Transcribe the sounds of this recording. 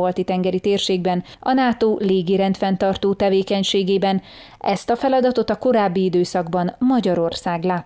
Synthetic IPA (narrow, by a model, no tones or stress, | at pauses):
olt̪it̪ɛŋɡɛɾit̪eːrʃeːɡ̚bɛn | ɒ̰naːt̪oːleːɡiɾɛnt̪fɛnt̪ɒrt̪oːt̪ɛveːkɛɲʃeːɡeːbɛn | ɛst̪ɒfɛlɒd̪ɒt̪o̞t̪ɒko̞ɾaːbːiid̪øːsɒɡbɒnmɒɟɒɾo̞rsaːɡlaː